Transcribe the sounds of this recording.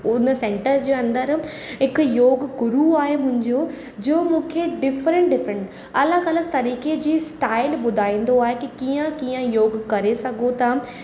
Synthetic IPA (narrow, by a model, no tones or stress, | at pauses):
ʊnəsẽːɳʈəɾd͡ʑeːɐ̃nd̪əɾɦɪkjoːɡɡʊɾuaːɦemʊ̃ɦɪ̃ɲd͡ʑoː | d͡ʑoːmũːkʰeɖɪfɾə̃ɳʈ̚ɖɪfɾə̃ɳʈ | ɐləɡɐləɡ̚t̪ɐɾiːked͡ʑiːsʈaːɪlbʊd̪ʱaːĩːn̆d̪oaːɦekikiːə̃kijə̃joːɡkɐɾesɐɡʱot̪ɐ